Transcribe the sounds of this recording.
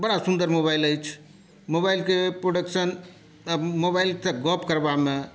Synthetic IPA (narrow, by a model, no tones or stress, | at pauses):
bəɽasund̪əɾmobajləjt͡ʃʰ | mobajlkepɾoɖəksən | əmobajlt̪eɡɔpkəɾbame